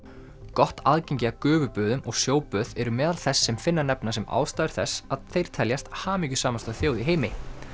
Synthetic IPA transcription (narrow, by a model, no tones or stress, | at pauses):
kɔht̪aːðcejɲcɪakœːvʏpœːðʏmɔɣsjoːwpœːðɛɾʏmɛːðalθɛsːɛmfɪnːanɛpnas̬ɛma̰ːwst̪aːjʏɾ̥θɛsːaðθejɾ̥t̪ʰɛljast̪haːmiːcʏ̥saːmast̪aθjoːwðiɦeːjmɪ